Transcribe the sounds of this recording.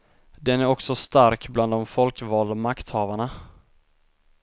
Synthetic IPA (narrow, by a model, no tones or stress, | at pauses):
d̪ɛnæɾɔksɔst̪aɾkbland̪ɔmfɔlkvɑːld̪amakt̪hɑːvaɳa